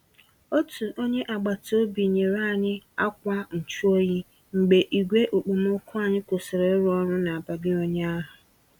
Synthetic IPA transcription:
o˦tu˨ʔo˦ɲe˦ʔa˨ɡ͡ba˨tʰo˦bi˨ɲe˨ɾa˦˨ɲɪ˦a˦k̚ʷa˦n̩˨t͡ʃu˦o˦ɲi˦ | ŋ͡m̩˨ɡ͡be˨ʔi˨ɡʷe˦ʔo˨k͡po˨mo˦kʰʊ˦a˨ɲɪ˦ko˨sɪ˨ɾe˨˦ɾʊ˦ɔ˦ɾʊ˦na˨a˨ba˨ɡɪ˦o˦ɲe˦a˦ɦʊ˨

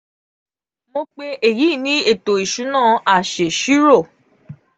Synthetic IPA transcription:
mo˧k͡pe˦ʔe˨ji˨˦˨nĩ˦e˦˨to˨i˨ʃu˨˦nãː˦˨a˨ʃe˨ʃi˦ɾo˦˨

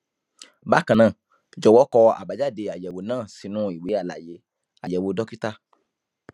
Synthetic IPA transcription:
ba˦kã˨nãː˨ | d͡ʒɔ˨wɔ˨˦kɔ˧a̰˨ba˨d͡ʒa˦˨de˧a˨jɛ˨wo˨˦nãː˦˨si˧˦nũ˦i˦˨we˨˦a˦˨la̰˨je˨˦ | a̰˨jɛ˨wo˨˧dɔ˦ki˦ta˦

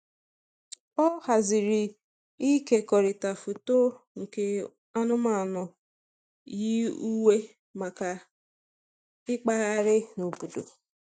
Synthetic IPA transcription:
pɔ˦ha˨zɪ˨ɾi˨ | i˦ke˦kɔ˨ɾɪ˨ta˨fu˨to˦ | ŋ̩˨ke˦ | a˦nʊ˦ma˨nɔ˨ | ji˦u˦we˦ | ma˨ka˨ | ɪ˦k͡pa˦ɣa˦ɾɪ˦nu˨bu˨do̰˨

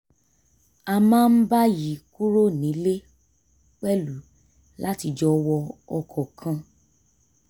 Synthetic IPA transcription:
a˧mãː˦n̩˦ba˦ji˨˦ku˦ɾo˦nĩ˨˦le˦ | k͡pɛ˦lu˨˦ | la˦ti˧d͡ʒɔ˧wɔ˧ɔ˧kʰɔ˨kʰã˧

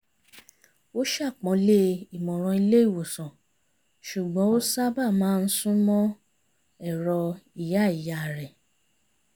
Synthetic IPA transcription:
o˦ʃa˦˨k͡pɔ̃˨˦le˦i˨mɔ̃˨ɾ̃ɔ̃˧i˧le˦i˦˨wo˨sɔ̃˨ | ʃu˨ɡ͡bɔ̃˨˦o˦sa˦ba˦˨mãː˦˧n̩˦sũ˦mɔ̃˦ | ɛ˦˨ɾɔ˧i˨ja˦˨i˨ja˨˦˨ɾɛ˨

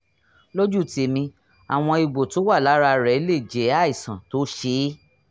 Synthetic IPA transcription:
lo˦d͡ʒu˦˨ti˨˧˦mĩ˧ | a̰˨w̃ɔ̃˧i˨ɡ͡bo˨to˨˦wa˦˨la˨˦ɾa˧ɾɛ˨˦le˦˨d͡ʒe˨˦a˦˨i˨sã˨to˨˦ʃe˧˦

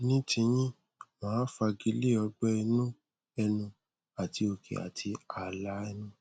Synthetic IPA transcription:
nĩ˦tĩ˧˦j̃ĩ˦ | mã˨˦fa˧ɡi˧˦le˦˨ɔ˧ɡ͡bɛ˦ɛ˧nũ˦ | ɛ˧nũ˧ | a˨ti˧˦o˧kʰḛ˨a̰˨tʰi˧a˨la˨˦ɛ˦˧nũ˦

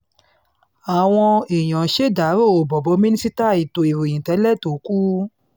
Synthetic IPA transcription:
a˨w̃ɔ̃˧i˨j̃ɔ̃˨ʃe˦˨da˨˦ɾo˦˨o˨bɔ˨bɔ˨˧˦mĩ˦nĩ˦si˦ta˦˨i˨to˨i˨ɾu˨jĩ˨tɛ˨˦lɛ˦˨to˨˦ku˦

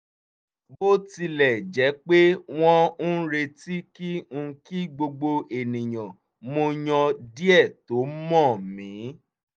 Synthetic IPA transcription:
bo˦ti˧lɛ˨d͡ʒɛ˨˦k͡pe˦w̃ɔ̃˦ñ̩˦ɾe˧ti˦kĩ˦˧ki˦ɡ͡bo˧ɡ͡bo˧e˨nĩ˨j̃ɔ̃˨ | mo˧ɲɔ̃˧di˦ɛ˦˨to˨˦mɔ̃˦˨mĩ˨˦

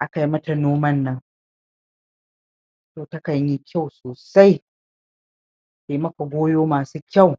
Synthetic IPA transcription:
ʔa˦ka˨ji˦mɐ˦ta˨noː˦mɐ˦nːɐ˦ŋ | toː˨tɐ˦ka˨jji˦kʲʰa˦˨wsoː˨sa˦j | teː˨mɐ˦kɐ˨ɡʷoː˦joː˦maː˨suː˦kʲa˦˨w

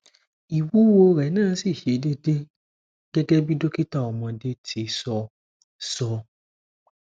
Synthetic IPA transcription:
i˨wuː˨˦wo˧ɾɛ˨˦nãː˦˨˦si˦˨ʃe˨˦de˦de˦ | ɡ̥ɛ˦ɡɛ˦bi˦do˦ki˦ta˦˨ɔ˨mɔ̃˧de˦tʰi˧sɔ˧ | sɔ˧

